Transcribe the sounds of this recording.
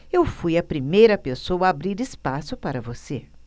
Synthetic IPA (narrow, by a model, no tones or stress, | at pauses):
ewfujɐpɾimejɾɐpesowɐabɾiɾɪspasʊpaɾɐvose